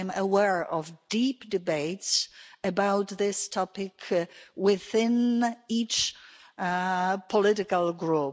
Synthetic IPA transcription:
ɪ̃məwɛɹəvdipd̥ɨbeɪtsəbaʊt̪ðɪstʰɔpɪkʰwɪðɪ̃nit͡ʃ | pʰəlɪɾɪkəlˠɡɹu

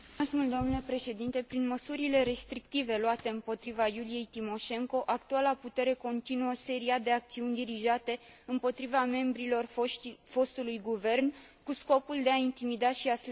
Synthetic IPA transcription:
smuld̪oomnulepɾe̞ʃe̞d̪int̪e̞pɾinməsuɾile̞ɾe̞st̪ɾik̚t̪ive̞luat̪e̞ɨmpo̞t̪ɾivajulije̞jt̪imo̞ʃe̞ŋko̞ʔak̚t̪ualaput̪e̞ɾe̞ko̞nt̪inuəse̞ɾiad̪e̞ak̚t̪siunʲd̪iɾiʒat̪e̞ɨmpo̞t̪ɾivame̞mbɾilo̞rfo̞st̪ulujɡuve̞rn | kusko̞puld̪e̞aint̪imid̪aʃias

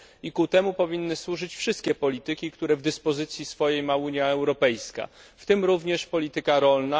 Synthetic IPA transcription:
ikut̪ɛmupɔvʲinːɘswuʐɘt͡ɕfʂɘst̪kʲɛpɔlʲit̪ɘkʲikt̪uɾɛvd̪ɘspɔzɘt̪sʲjisfɔjejmauɲjaɛwɾɔpɛjska̰ft̪ɘmɾuvɲɛʂpɔlʲit̪ɘkaɾɔlna

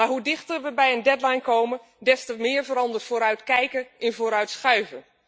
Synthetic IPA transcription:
arɦudɪxtərʋəbɛjəndɛdlajnkoːmə | dɛstəmɪːrvəːɾɑndərtfoːɾœɥtkɛjkəɪnvoːɾœɥtsχœɥvən

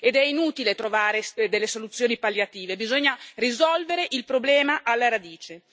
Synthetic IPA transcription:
ed̪ɛinuːt̪ilet̪ɾovaːɾesd̪elːesolut̪sːjoːnipaljat̪iːvebizoɲːarizɔlveɾeʔilpɾoblɛːmaʔalːaɾad̪iːt͡ʃe

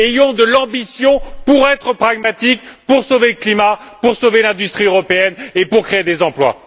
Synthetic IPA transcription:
ejɔ̃d̪əlɑ̃bisjɔ̃puʁɛt̪χəpχaɡmat̪ik̚puʁsoveləklimapuʁsovelɛ̃d̪yst̪χiøʁɔpeɛnepuʁkχeed̪ezɑ̃plwa̰

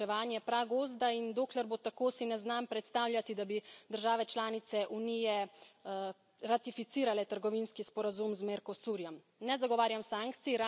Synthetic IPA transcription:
ɛʋaːnjɛpɾaɡoːzd̪aind̪oːklɛɾbot̪akoːsinɛznampɾɛt̪st̪aːwljat̪id̪abid̪əɾʒaːʋɛt͡ʃlaːnit̪sɛʔunijɛ | ɾat̪ifit̪iːɾalɛt̪əɾɡɔʋinskispɔɾazumzmɛɾkɔsuːɾjɔm | nɛzaɡɔʋaːɾjamsaːŋkt̪siɾa

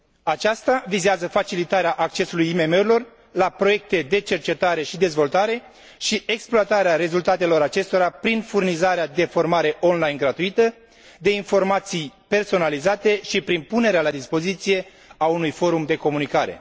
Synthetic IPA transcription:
at͡ʃast̪avizeazəfat͡ʃilit̪aɾeaʔak̚t͡ʃe̞sulujime̞me̞uɾilo̞r | lapɾo̞je̞k̚t̪e̞d̪e̞t͡ʃe̞rt͡ʃe̞t̪aɾe̞ʃid̪e̞zvo̞lt̪aɾe̞ | ʃiʔe̞ksploat̪aɾeaɾe̞zult̪at̪e̞lo̞ɾat͡ʃe̞st̪o̞ɾapɾinfurnizaɾead̪e̞fo̞rmaɾe̞ʔo̞nlajnɡɾat̪uit̪ə | d̪e̞info̞rmat̪sijpe̞rso̞nalizat̪e̞ʃipɾinpune̞ɾealad̪ispo̞zit̪sije̞ | aunujfo̞ɾumd̪e̞ko̞munikaɾe̞̰

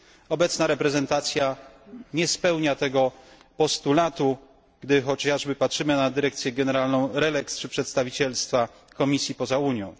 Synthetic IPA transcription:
ɔbɛt̪snaɾɛpɾɛzɛnt̪at̪sʲja | ɲɛspɛwɲat̪ɛɡɔ | pɔst̪ulat̪u | ɡ̥d̪ɘxɔt͡ɕaʐbɘpatʂɘmɘnad̪ɘɾɛk̚t̪sʲjɛɡɛnɛɾalnɔ̃w̃ɾɛlɛkst͡ʂɘpʂɛt̪st̪avʲit͡ɕɛlst̪fa | kɔmʲisʲjipɔzauɲjɔ̃w̃

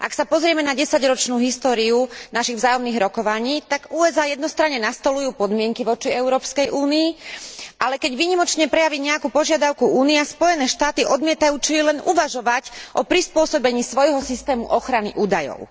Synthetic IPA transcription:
ʔa̰ksapɔzɾɪɛmɛnaɟɛsaɟɾɔt͡ʃnuːɦist̪ɔːɾiunaʃiɣvzaːjɔmniːɣɾɔkɔʋaɲiːt̪aɡuːɛzaːjɛd̪nɔst̪ɾaɲɲɛnast̪ɔlujuːpɔd̪mɪɛŋkiʋɔt͡ʃiɛʊɾɔːpskɛjʔuːniiʔalɛkɛɟʋiːɲimɔt͡ʃɲɛpɾɛjaʋiɲɛakuːpɔʒɪad̪aʊkuuːniɛaspɔjɛnɛːʃt̪aːt̪iʔɔd̪mɪɛt̪ajuːt͡ʃilɛnuʋaʒɔʋacʔɔpɾispʊɔsɔbɛɲiːsʋɔjɦɔsist̪ɛːmṵʔɔxɾanḭʔuːd̪ajɔ̰ʊ

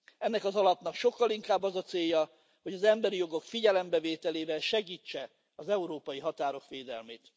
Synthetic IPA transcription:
ɛnːɛkɒzɒlɒpnɒkʃo̞kːɒliŋkaːbːɒzɒt̪seːjːɒ | ho̞ɟɒzɛmbɛɾijo̞ɡokfiɟɛlɛmbɛveːt̪ɛleːvɛlʃɛɡiːt͡ʃːɛ | ɒzɛuɾoːpɒjiɦɒt̪aːɾo̞kʋeːd̪ɛ̰lmeːt̪

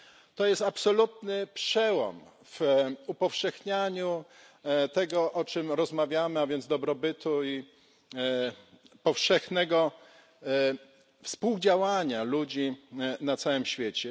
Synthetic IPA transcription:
t̪ɔjɛst̪apsɔlut̪nɘpʂɛwɔ̰m | v̥upɔfʂɛxɲaɲu | t̪ɛɡɔʔɔt͡ʂɘmɾɔzmavʲjamɘavʲjɛnzd̪ɔbɾɔbɘt̪ui | pɔfʂɛxnɛɡɔ | fspuwd͡ʑawaɲalud͡ʑinat̪sawɘmɕfʲjɛt͡ɕɛ

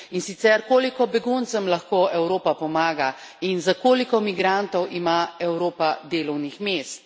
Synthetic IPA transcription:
insit̪sɛɾkoːlikɔbɛɡunt̪səmlɐxkoːɛwɾoːpapɔmaːɡa | inzakoːlikɔmiɡɾant̪ɔwʔimaɛwɾoːpad̪eːlɔwnixmeːst̪̚

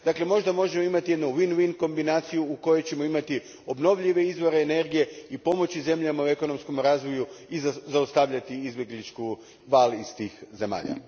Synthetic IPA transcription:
d̪akle̞mo̞ʒd̪amo̞ʒe̞mo̞imat̪ije̞d̪nuʋinʋinko̞mbinaːt̪sijuuko̞jet͡ɕe̞mo̞imat̪i | o̞bno̞ʋʎiʋe̞izʋo̞ɾeːne̞ɾɡije̞ipo̞mo̞t͡ɕize̞mʎamaue̞ko̞no̞msko̞mɾaːzʋo̞juizzaost̪aʋʎat̪iizbje̞ɡlit͡ʃku | ʋaːliz̥t̪iːxze̞ma̰ːʎa̰

